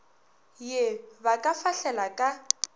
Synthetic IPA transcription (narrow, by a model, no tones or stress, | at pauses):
jebakʼafaɬɛlakʼa